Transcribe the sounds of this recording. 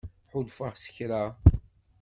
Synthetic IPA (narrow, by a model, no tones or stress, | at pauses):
ħʊlˤfəʁsə̥çɾa